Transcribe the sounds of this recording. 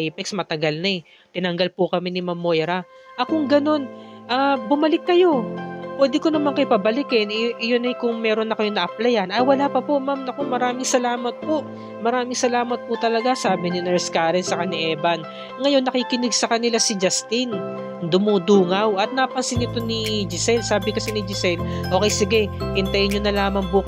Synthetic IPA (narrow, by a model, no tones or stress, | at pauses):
ipɛksmɐt̪ɐɡalnɐɛ | t̪ɪnɐŋɡɐlpʊkɐmɛnɪmamːojɾaʔɐkoŋɡɐno̞nʔaːbʊmɐlɪkːɐjo̞pwɛːd̪ɪko̞nɐmankɐɪpɐbɐlɪkɛnʔjonɐjkʊŋmɛːɾo̞nːɐkɐjo̞nɐʔɐplɛjɐnɐjwɐlaːpɐpo̞ʔmamɐko̞mɐɾaːmɪŋsɐlaːmɐt̪̚po̞ʔ | mɐɾaːmɪŋsɐlaːmɐt̪̚pʊt̪ɐlɐɡasaːbɪnɪnɛɹskaːɾɛnsɐkɐnɪʔɛːbɐn | ŋɐjo̞nːɐkiːkɪnɪɡsɐkɐnɪlasɪd͡ʒɐst̪ɪn | d̪ʊmud̪uːŋɐwʔɐt̪̚nɐpɐnsɪnɪt̪o̞nid͡ʒɪsɛlsaːbɪkɐsɛnɪd͡ʒɪsɛlʔoːkɛjsɪɡɛhɪnt̪ɐjɲonɐlaːmɐŋbuːk